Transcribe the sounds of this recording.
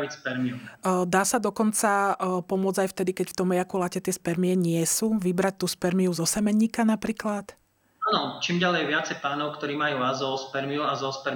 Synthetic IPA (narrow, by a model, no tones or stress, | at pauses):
icspɛɾmiud̪aːsad̪ɔkɔnt͡sapɔmʊɔd͡zajft̪ɛd̪ikɛcft̪ɔmɛjakulacɛt̪ɪɛspɛɾmiɛɲɪɛsuːʋibɾac̚t̪uːspɛɾmiuzɔsɛmɛɲːikanapɾiːklat̪ | anɔt͡ʃiːmɟalɛjʋɪat͡sɛjpaːnɔʊkt̪ɔɾiːmajuːazɔspɛɾmiuazɔspɛɾ